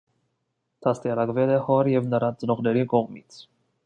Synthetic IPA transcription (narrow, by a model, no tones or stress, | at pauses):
t̪ʰɑst̪iɑɾɑkvɛlɛhɔɾjɛvnəɾɑt͡sənɔʁnɛɾikɔʁmit͡sʰ